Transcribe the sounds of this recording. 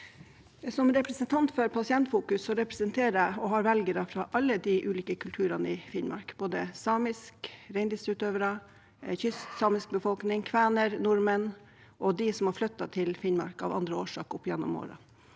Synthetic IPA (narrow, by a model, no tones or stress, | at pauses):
sɔmɾɛpɾɛsənt̪ʰɑnt̪føɾpʰɑsɪɛnt̪fuːkʉsːɔɾɛpɾɛsənt̪ʰeːɾəɔɦɑːɾʋɛlɡəɾɑfɾɑʔɑlːəd̪iʔʉːliːkəkʰʉlt̪ʰʉːɾɑnəɪfɪnmɑ̰ɾkb̥oːd̪əsɑːmɪskɾɛɪnd̪ɪst̪ɾʉːt̪øːʋəɾɑ | çʏst̪sɑːmɪsk̚bəfɔlknɪŋkʰʋæːnəɾnʊɾmən | ʔɔd̪ɪsɔmhɑɾflœt̪ːɑt̪ʰɪlfɪnmɑ̰ɾkɑ̰ʋɑ̰nd̪ɾəoːʂɑ̰ːkɔpːjɛnːɔ̰mo̰ːɾɑ̰